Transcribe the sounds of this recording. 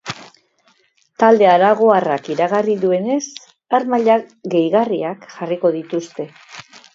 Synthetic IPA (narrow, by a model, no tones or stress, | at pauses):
t̪ald̪e̞aɾaɣ̞o̞arakiɾaɣariðue̞ne̞s | aɾmaʎaɣe̞jɣariakʝariko̞ð̞it̪ust̪e̞